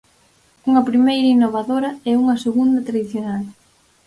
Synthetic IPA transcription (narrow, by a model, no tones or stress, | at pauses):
uŋɐpɾimejɾɐinːoβaðoɾɐɛuŋɐseɣund̪ɐt̪ɾaðiθjonal